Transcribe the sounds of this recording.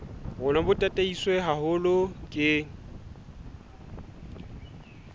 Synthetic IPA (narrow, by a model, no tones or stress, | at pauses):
ɣʊnabʊtʼatʼeiswɛɦahʊlʊkʼɪːŋ̩